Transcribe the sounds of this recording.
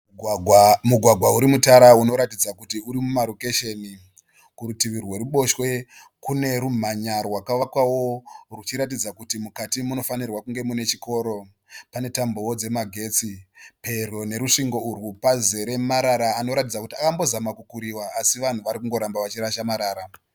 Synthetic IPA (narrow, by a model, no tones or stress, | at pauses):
muɡʱwaɡʱwauɾimutaɾauno̞ɾatid͡zakutiuɾimumaɾoke̞ʃe̞ni | kuɾutiʋirwe̞ruɓo̞ʃwe̞ | kune̞ɾum̤aɲarwakaʋakwawo̞rut͡ʃiɾat̬id͡zakutimukatimuno̞fanirwakuŋɡe̞mune̞t͡ʃiko̞ːɾo̞ | pane̞tambo̞wod͡ze̞maɡʱe̞t͡sipe̞rone̞ɾuʂiŋɡo̞urwupaze̞ɾe̞maɾaɾaːno̞ɾatid͡zakutiakambo̞zamakukuɾiwaːsiʋan̤uʋaɾikuŋɡo̞ɾambaʋat͡ʃiɾaʃamaɾaːɾa